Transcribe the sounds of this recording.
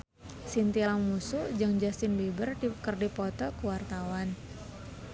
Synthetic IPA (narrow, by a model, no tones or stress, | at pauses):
sint̪ialaŋmusud͡ʒɨŋd͡ʒasɪnbebərdikərdipɔt̪ɔkəwart̪awan